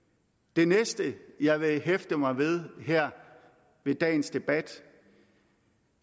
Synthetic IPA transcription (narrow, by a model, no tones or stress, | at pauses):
d̥e̝nesd̥əjɑ̈ɪʋe̝ɦefd̥əmɑ̈ɪʋe̝ð̞ˠɦeɐ̰ | ʋe̝d̥ɛ̰ːnsd̥e̝b̥æd̥